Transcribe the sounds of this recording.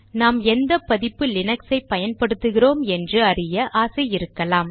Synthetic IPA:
naːmɛnd̪ɐpːɐðɪpːɯlɪnɐksɐɪpːɐjɐnpɐɽɯt̪ːɯɣɪroːmɛndrɯɐrɪjɐʔaːsɐɪjɪɾɯkːɐlaːm

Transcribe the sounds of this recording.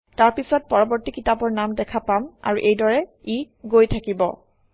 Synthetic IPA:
taɹpisɔt̚pɔɹɔbɔɹtikitabɔɹnamdɛkʰapama̰ɹuʔejdɔɹɛi | ɡojtʰakibɔ̰

